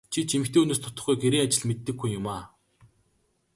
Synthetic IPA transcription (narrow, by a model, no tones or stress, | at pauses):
t͡ɕʰit͡ɕʰimɘ̆xt̪eːunoːst̪ʰʊ̥t̪ɞ̆χɡujɡeɾiːŋat͡ɕɪ̆ɮmet̪ːɘ̆ɡːujːʊmaː